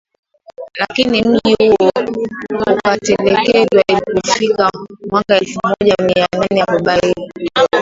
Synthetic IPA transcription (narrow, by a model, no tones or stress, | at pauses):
lakinim̩ʄihuɔ | ukatɛlɛkɛɗwailipɔfikamwakaɛlfumɔʄamiananɛakɔɓaii